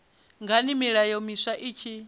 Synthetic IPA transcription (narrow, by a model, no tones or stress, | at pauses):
ŋɡanimiɺajɔmisaʔiːt͡ʃʰi